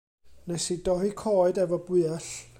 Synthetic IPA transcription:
nɛsidɔhikʰɔːɨdɛvɔbwɨːaɬ

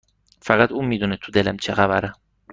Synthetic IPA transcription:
fæɣæt̪uːmiːd̪unet̪ʰud̪elæmt͡ʃʰeɣævæɾæ

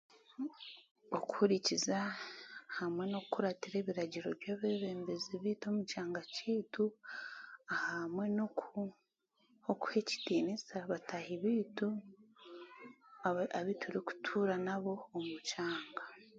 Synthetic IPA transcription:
oku̥huɾiciza | hamwe̞no̞kkuɾatiɾe̞ːβiɾaɟiɾo̞ɾjaːβeːβe̞ːmbeziβiːto̞mut͡ʃaːŋɡaciːtu | ahamwe̞noku | oku̥he̞ci̥tiːnisaβatahiβiːtu | aβitʰuɾiku̥tʰuːɾanaβo̞ːmut͡ʃaːŋɡa

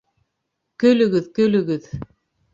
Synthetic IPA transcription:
kɵ̆lɵ̆ɡɘðkɵ̆lɵ̆ɡɘð

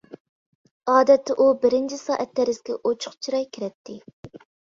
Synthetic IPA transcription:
ɑːd̪ɛt̪ʰːɪʔubɪɾɪnt͡ʃʰisɑːʔɛt̪ːɛɾɪzkʲɛ̰ʔot͡ʃʰʊ̥χt͡ʃʰiɾɑjkʲʰiɾɛt̪ʰːɪ

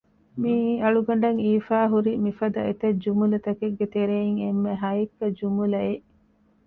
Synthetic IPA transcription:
miɐɭuɡɐɳ̆ɖɐŋiːfaːɦuɾimifɐd̪ɐet̪ɐd͡ʒumulɐt̪ɐkeɡːet̪eɾeiŋemːeɦɐjikːɐd͡ʒumulɐeʔ

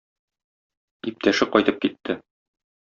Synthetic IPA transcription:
ip̚t̪æʃɘqɒjt̪ɤp̚kit̪ʰːɘ

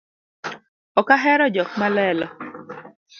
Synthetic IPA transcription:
ɔkaɦɛɾɔd͡ʒɔk̚malɛlɔ

